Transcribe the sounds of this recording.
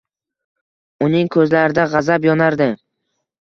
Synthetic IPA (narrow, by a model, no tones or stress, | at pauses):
ʊnɪŋkʰɵzlaɾɪd̪aʁɑzabjɒnaɾd̪ɪ